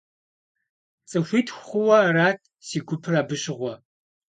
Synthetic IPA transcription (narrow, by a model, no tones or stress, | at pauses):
t͡sʼɨxʷiːtʰχʷʊwɐraːtʰ | siːɡʷʊpʰɨraːbɨɕɪʁʷɔ